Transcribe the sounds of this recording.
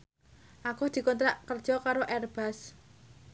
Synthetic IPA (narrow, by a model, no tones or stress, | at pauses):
ʔakʊhd̪̥i̤kɔnt̪ɾaʔkərd̥ʒ̥ɔkaɾoʔɛrb̥as